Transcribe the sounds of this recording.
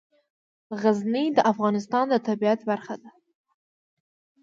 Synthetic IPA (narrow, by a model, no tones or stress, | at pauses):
ɣaznid̪əʔafɣɑnɪst̪ɑnd̪ət̪ʰabiat̪baɾχad̪a